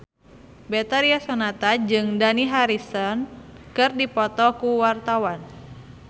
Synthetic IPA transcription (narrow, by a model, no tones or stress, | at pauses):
bet̪aɾiasɔnat̪ad͡ʒɨŋdaniɦaɾisɔnkɨrdipɔt̪ɔkuwart̪awan